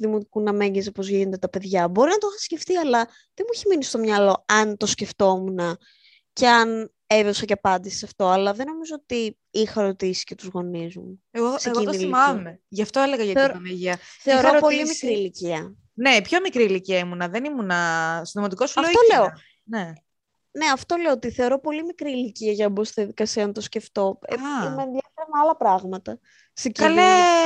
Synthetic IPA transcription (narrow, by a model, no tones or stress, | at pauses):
uðimo̞t̪ikunɐme̞ɲezopo̞zʝinond̪et̪ɐpe̞ðʝɐbo̞ɾinɐt̪oxɐsce̞ft̪iɐlɐ | ðemuiçiminist̪o̞mɲɐlo̞ɐnt̪o̞sce̞ft̪o̞munɐ | ce̞ɐn | eðosɐceɐpɐnd̪isi̥sɐft̪o̞ɐlɐðe̞no̞mizoot̪i | ixɐɾo̞t̪isisce̞t̪uzɣo̞nizumueɣoseɣint̪ilɐmeʝɐft̪oeleɣɐʝɐɾɐmeʝiɐθeoɾopolimikɾiːliciɐ | neipço̞mikɾiːliciɐimunɐðenimunɐsind̪omɐt̪iko̞suɐeft̪oleo | ne | ne̞ɐft̪o̞le̞oot̪iθe̞o̞ɾo̞po̞limikɾiːliciɐʝɐɐbost̪iðiɐðikɐsiɐnɐt̪o̞sce̞ft̪o̞eiimenðʝɐfeɾɐmeɐlɐpɾɐɣmɐt̪ɐ | seciɐle